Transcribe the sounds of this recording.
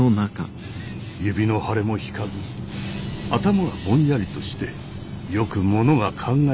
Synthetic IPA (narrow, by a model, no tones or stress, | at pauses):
onaka̰ | jɯ̟bʲino̞haɾe̞mo̞çi̥kazɨ | at̪amaβamõ̞ɰ̃jaɾʲit̪o̞ɕi̥t̪e̞ | jo̞kɯ̟mo̞no̞ɡakʰãŋɡa